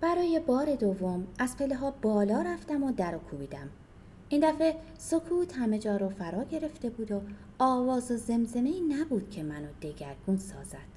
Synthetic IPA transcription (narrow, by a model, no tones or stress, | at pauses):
b̥æɾɒːje̞bɒːɾe̞d̪ovːo̞mæzpʰe̞leɦɒːbɒːlɒːɾæft̪æmod̪æɾokʰuːbiːd̪æm | ʔind̪æfe | so̞kʰuːt̪ʰhæme̞d͡ʒɒːɾofæɾɒːɟe̞ɾe̞ft̪e̞buːd̪o | ɒːvɒːzoze̞mze̞me̞iːnæbuːd̪̥cʰe̞mænod̪e̞ɟæɾɡuːnsɒ̰ːzæd̪̥